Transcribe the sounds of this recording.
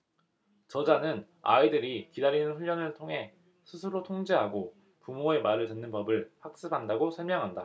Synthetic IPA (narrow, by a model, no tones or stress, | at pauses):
t͡ɕʌd͡ʑanɯn | a̰idɯɾikidaɾinɯnɸuʎːjʌnɯɭtʰoŋɦe̞ | sʰɯsʰɯɾotʰoŋd͡ʑeɦaɡo | pumoe̞maɾɯɭenːɯnpʌbɯɭɸak̚s͈ɯbandaɡosʰʌɭmjʌŋɦanda